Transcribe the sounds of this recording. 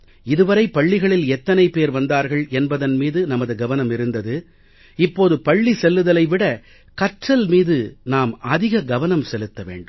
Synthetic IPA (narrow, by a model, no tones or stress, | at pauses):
ɪðɯʋɐɾɐɪpɐɭːɪɣɐɭɪlɛt̪ːɐnɐɪpeːɾʋɐnd̪aːɾɣɐɭɛnbɐðɐnmiːðɯnɐmɐðɯɡɐʋɐnɐmɪɾɯnd̪ɐðɯ | ɪpːoːðɯpɐɭːisɛlːɯðɐlɐɪʋɪɽɐ | kɐʈrɐlmiːðɯnaːmɐðɪɣɐɡɐʋɐnɐmsɛlɯt̪ːɐʋḛːɳɖɯm